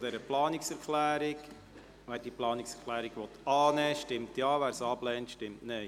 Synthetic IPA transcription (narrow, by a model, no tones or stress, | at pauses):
d̥̪ɛɾəplɑːnɪksɛɾklæːɾɪk | ʋæːɾd̥iplɑːnɪksɛɾkʰχlæːɾiɡʋɔt̪ɑːnɛːʃtɪmtjɑːʋæːɾsɑːblɛːntʃtɪmtnɛ